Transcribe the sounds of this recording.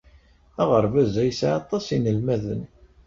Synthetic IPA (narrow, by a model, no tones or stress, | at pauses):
æʁəɾˤvæzæjsaʕɑt̪ˤːɑsinəlmæðən